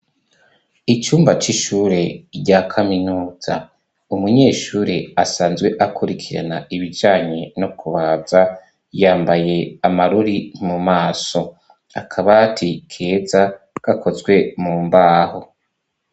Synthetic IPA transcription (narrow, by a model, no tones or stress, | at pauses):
it͡ʃuːmbat͡ʃiʃuːɾe̞ɾɟakʰaminuːz̥a̰ | umuɲe̞ːʃuːɾiasaːnzɡwe̞ʔakuɾikʰiɾa̰naiβid͡ʒaːɲe̞nokʰuβaːbza | jaːmbaje̞amaɾuɾinmumaːso̞ | akʰaβatʰikʰe̞ːza | ɡ̥akʰo̞zɡwe̞muːmbaːho